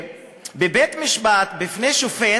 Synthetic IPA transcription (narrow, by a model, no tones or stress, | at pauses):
bebet̪miʃbat̪bifneʃufe